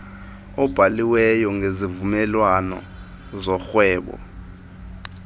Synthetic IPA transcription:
ɔb̥ʱaliwɛjɔŋezivumɛlwanɔ̰ | zɔxwɛːɓɔ̰

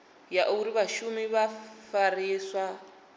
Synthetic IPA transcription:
jaʔuɾiβaʃumiβafaɾiswa

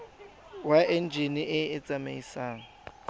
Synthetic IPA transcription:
waʔen̩d͡ʒʱiniʔɪɪt͡sʼameisaːŋ̩

